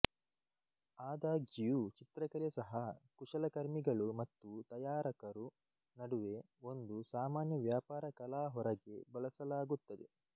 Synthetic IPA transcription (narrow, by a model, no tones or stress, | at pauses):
aːd̪aːɡijut͡ʃit̪ɾɐkɐljɐsɐɦɐkuʂɐlɐkɐɾmiɡɐɭumɐt̪ːut̪ɐjaːɾɐkɐɾu | nɐɽuʋe̞ | o̞nd̪usaːmaːnjɐʋjaːpaːɾɐkɐlaːɦɔɾɐɡe̞bɐɭɐsɐlaːɡut̪ːɐd̪ḛ